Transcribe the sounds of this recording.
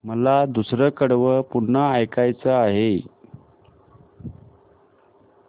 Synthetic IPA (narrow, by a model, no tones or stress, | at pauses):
məlad̪usɾəkəɽʋəpunaːjkajt͡səaɦe